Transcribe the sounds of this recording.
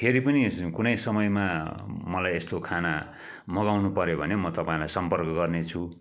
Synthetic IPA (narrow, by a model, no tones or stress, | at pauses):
pʰeɾipʌnikunʌjsʌmʌjmamʌlajest̪okʰana | mʌɡawnupʌɾjobʱʌnemʌt̪ʌpãĩlajsʌmpʌrkʌɡʌrnet͡sʰu